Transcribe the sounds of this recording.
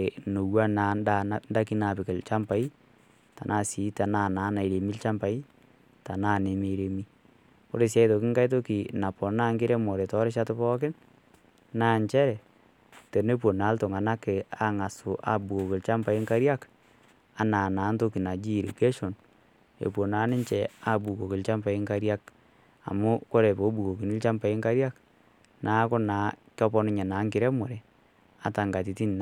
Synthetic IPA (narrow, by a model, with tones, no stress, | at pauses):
no˨wa˦na˨nda˦˨nda˦ki˦na˨pɪ˨kɪ˨lt͡ʃa˦mpa˨˦i˦ | ta˨nʔa˦˨si˨˦ta˨na˦˨naː˨˦na˨i˨ɾe˨mi˦lt͡ʃa˦mpa˨˦i˦ | ta˨na˦˨ne˨me˨ɾe˨mi˦ | ʊ˦ɾe˨s̬ja˦i˦to˨kɪ˦ŋka˦jt̬o˦ki˨na˨pɔ˨naː˦ŋɡɪ˦ɾe˦mɔ˨ɾe˨tɔ˦ɾɪ˦ʃ̬a˦tʊ˦pɔː˦kɪ˦n | naː˦ɲt͡ʃɛ˦ɾɛ˨ | te˨ne˦p̬o˨na˨˦lto˨ŋa˨na˦kɪ˨a̰˨ŋa˨sʊ˨ʔa̰˨bu˨ko˨kɪ˨lt͡ʃa˦mpa˨ɪ˦ŋka˦ɾja˦k | a˨na˨naː˨˦nto˦ki˨na˨d͡ʒi˦˨ɾḭ˨ke˦ʃo˨n | ḛ˨pwo˨naː˨˦nɪ˦ɲt͡ʃɛ˨a˦˨bu˨ko˨kɪ˨lt͡ʃa˦mpa˨i˦ŋka˦ɾja˦k | a̰˨mʊ˦ko˦ɾe˨po˨˦bu˨ko˨ki˨nɪ˦lt͡ʃa˦mpa˨ɪ˦ŋka˦ɾja˦k | nʔa˨˦kʊ˦na˨kjɔ˦pɔ˦nɪ˦ɲa˨na˨˦ŋkɪ˨ɾɛ˦mɔ˨ɾe˨ | a̰˨ta˨ŋɡa˨ti˨˦ti˦n˨a˨